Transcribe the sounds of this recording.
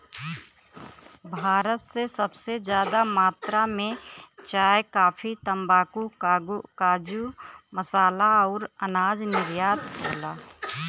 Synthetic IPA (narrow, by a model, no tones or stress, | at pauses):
bʱaːɾət̪sesəbsed͡ʒjaːd̪amaːt̪ɾamẽt͡ʃaːjkaːpʰit̪əmbaːkukaːɡukaːd͡ʒuməsaːlaɔːɾənaːd͡ʒnɪɾjaːd̪kʰoːlaː